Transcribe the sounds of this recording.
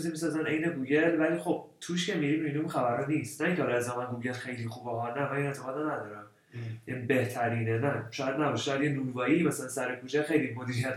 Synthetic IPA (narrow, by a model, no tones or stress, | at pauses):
izimisɒːzæne̞jneɡuːɟe̞lvæliːxo̞b̥̚t̪ʰuʃcʰe̞miɾimiiniunxæbæɾhɒniːst̪næiŋcʰeɒlezɒmænɡuːɡe̞lxejlixubɒɦɒnæmæninet̪ʰeɣɒːd̪anæd̪ɒːɾæm | jænibe̞ht̪ʰæɾiːnenæʃɒːjæd̪næbɒʃʃɒːjæd̪jenulvɒːjimæsælænsæɾekʰuːt͡ʃʰexe̞jlimod̪iːɾijæt̪ʰ